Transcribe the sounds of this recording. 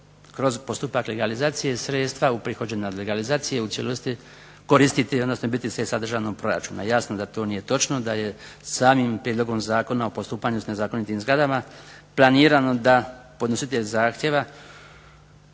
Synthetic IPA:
kɾo̞zpo̞st̪upakleɡalizaːt̪sijesɾet̪st̪ʋaupɾixo̞d͡ʑenad̪leɡalizaːt̪sije̞ut̪sjelost̪i | ko̞ɾist̪it̪iod̪no̞snobit̪isʋe̞sad̪r̩ʒanopɾo̞ɾa̰t͡ʃṵːna̰jasnod̪at̪o̞ːnije̞t̪o̞t͡ʃno̞d̪aje̞saːmimpɾied̪lo̞ɡo̞mzaːko̞nao̞po̞st̪uːpaɲusne̞zaːko̞nit̪imzɡɾad̪amaplˠaniːɾano̞d̪apo̞d̪nosit̪eʎzaːxt̪je̞ʋa

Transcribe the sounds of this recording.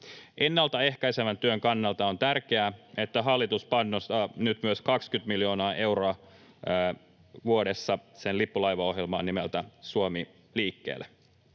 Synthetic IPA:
ʔe̞nːɑlt̪ɑe̞hkæjsemænt̪yøŋkɑnːɑlt̪ɑo̞nt̪ærk̟eæe̞t̪ːæɦɑlːit̪uspɑnːost̪ɑnyt̪myøskɑkskyt̪miljo̞ːnɑːʔe̞wroɑ | ʋuodesːɑsenlipːulɑjʋɑo̞ɦjelmɑ̰ːnimelt̪æsuomi | liːkːḛːlːe

